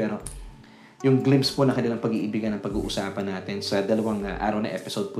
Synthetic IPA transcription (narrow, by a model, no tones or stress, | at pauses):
ɛːɾo̞ | jʊŋɡlɪmpsponɐkɐnɪlɐŋpɐɡiːʔɪbɪɡanɐŋpɐɡṵːʔʊsaːpɐnːaːt̪ɪnsɐd̪ɐlɐwaŋʔa̰ːɾɐwnɐ̰ʔɛ̰pɪsowd̪̚po